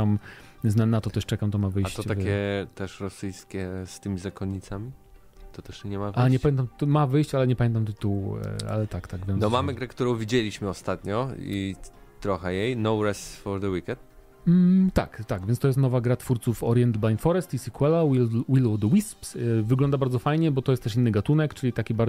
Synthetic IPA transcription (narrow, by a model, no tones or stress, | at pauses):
am | znanat̪ɔt̪ɛʂt͡ʂɛkamt̪ɔmavɘjat͡ɕt̪ɔt̪avkʲɛt̪ɛʂɾɔsɘjskʲɛst̪ɘmʲizakɔɲːit̪samʲi | t̪ɔt̪ɛʂɲɛmavaɲɛpamʲɛnt̪amt̪mavɘjɕt͡ɕalɛɲɛpamʲɛnt̪amt̪ɪt̪uw̰a̰lɛt̪akt̪aɡvʲjɔ̃d̪ɔmamɘɡɾɛkt̪uɾɔ̃w̃vʲid͡ʑelʲiɕmɘɔst̪at̪ɲɔḭt̪ɾɔxɛjejnɔwɾɛsfɔɾd̪əwikʲɛnt̪̩ | t̪a̰kt̪aɡvʲjɛnst̪ɔjɛst̪nɔvaɡɾat̪fuɾt̪sufɔɾjɛnd̪blajnfɔɾɛst̪isʲikwɛlawwilɔd̪wispsvɘɡlɔnd̪abaɾd̪zɔfajɲɛbɔt̪ɔjɛst̪ɛʂ̬inːɘɡat̪unɛkt͡ʂɘlʲit̪akʲibaɾ